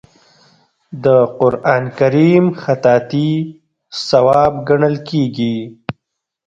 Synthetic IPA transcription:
d̪əqʊɾʔɑnkaɾimxat̪ɑt̪i | sawɑbɡaɳəlkeɡi

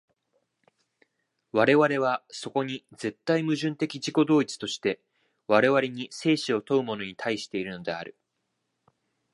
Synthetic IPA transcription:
βaɾe̞βaɾe̞β̞aso̞ko̞ɲ̟id͡ze̞t̪ːaimɯ̟ʑɨ̃nt̪e̞kʲiʑiko̞d̪o̞ːit͡sɨ̥t̪o̞ɕi̥t̪e̞ | βaɾe̞βaɾʲeɲ̟ise̞ːɕio̞t̪o̞ɯ̟mo̞no̞ɲ̟it̪ʰaiɕi̥t̪e̞iɾɯ̟no̞d̪e̞a̰ɾɯ̟

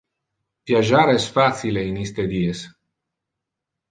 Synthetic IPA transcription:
pjaʒaɾest̪fat̪sileinist̪ed̪ies

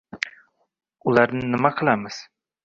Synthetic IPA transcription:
ʊlˠaɾnɪnɪmaqʰɨlˠamɪz̥

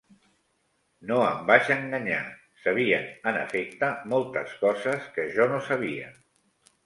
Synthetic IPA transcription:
noəmbaʃəŋɡəɲa̰ | səβ̞iənənə̰fek̚t̪əmolˠt̪əskɔzəskəʒɔnosəβ̞iə̰

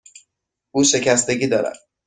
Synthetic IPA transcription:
ʔuːʃe̞cʰæst̪e̞ɡʲiːd̪ɒːɾæ̰d̪̥

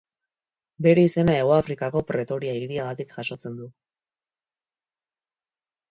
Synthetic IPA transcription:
be̞ɾe̞ise̞nae̞ɣoafɾikako̞pɾe̞t̪o̞ɾiaiɾiaɣat̪ikʝaʃo̞t͡se̞nd̪u

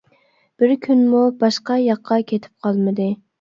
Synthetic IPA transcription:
b̥ɪɾkʲʰynmubɑʃqɑjɑqʰːɑkʲʰet̪ʰɪ̥p̚qʰɑlˠmɨd̪ɨ

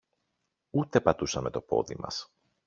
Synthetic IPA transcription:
ut̪e̞pɐt̪usɐme̞t̪o̞po̞̰ðḭmɐ̰s

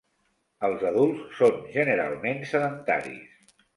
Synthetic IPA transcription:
əlˠzəðulˠsːonʒənəɾa̰lˠmensəðənt̪a̰ɾḭs

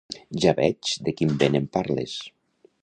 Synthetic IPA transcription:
ʒaβɛt͡ʃd̪ekimbenempaɾlḛs

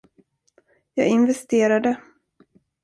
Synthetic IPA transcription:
jɑ̰ːɡɪnvɛst̪eːɾad̪ə

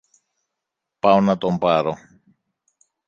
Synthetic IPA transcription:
pɐonɐt̪ompɐɾo

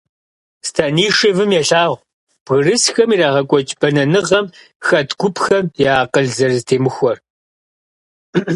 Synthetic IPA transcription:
stʰaniːʂɪvɨmjɛɬaːʁʷ | b̥ɣɨrɨsxɐmiːɾaːʁɐkʷʼɔt͡ʃʼb̥ɐnɐnɨʁɐm | xɐtʰɡʷʊpʰxɐmjaːqəɮzɐrɨztʰeːmɨxʷɔr

